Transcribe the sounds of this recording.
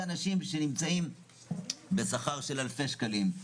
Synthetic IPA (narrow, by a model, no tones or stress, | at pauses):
anaʃimʃe̞nimt͡saim | be̞saχaʁʃe̞lalfe̞ʃkalim